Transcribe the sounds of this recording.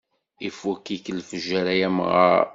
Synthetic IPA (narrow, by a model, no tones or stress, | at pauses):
ifukikəlfəʒæɾæjæmʁə̰ɾ